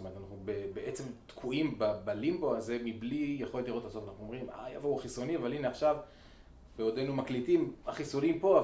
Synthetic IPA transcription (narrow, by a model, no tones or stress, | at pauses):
tomeet̪anaχnubebeʔet͡se̞mt̪kʰuimbabalimbo̞aze̞miblijeχo̞letliʁot̪asotanaχnumʁima̰javauχiso̞niavalineaχʃav | beo̞d̪ejnumaklitimaχiso̞nimpo̞a